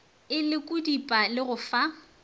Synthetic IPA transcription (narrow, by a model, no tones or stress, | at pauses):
ɪlɪkʼʊdipʼalɪɣʊfa